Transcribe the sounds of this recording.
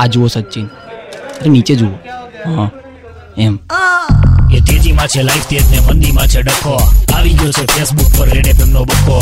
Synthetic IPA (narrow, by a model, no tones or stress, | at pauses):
ad͡ʒuʋosətːt͡ʃin | t̪əɾenit͡ʃed͡ʒuʋoɦã | em | et̪ed͡ʒimãt͡ʃʰelaift̪et̪nemənd̪imãt͡ʃʰeɖəkʰoaʋiɡjot͡ʃʰepʰesbuk̚pəɾɾeɽepɛmnobəkʰːo